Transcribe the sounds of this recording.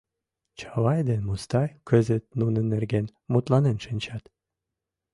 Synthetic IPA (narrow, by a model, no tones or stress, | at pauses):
t͡ɕɑwɑjd̪enmust̪ɑjkʰø̆zɘt̪̚nunɤnĕrɡen | mut̪lˠɑnenʃɘ̆nʲt͡ɕɑt̪